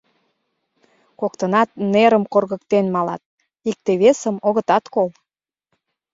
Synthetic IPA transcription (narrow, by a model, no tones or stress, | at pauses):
kokt̪ənɑt̪neɾəmkorɣə̆kt̪enmɑlɑ̰t̪̚ | ik̚t̪eβesəmoɣə̆t̪ɑt̪kol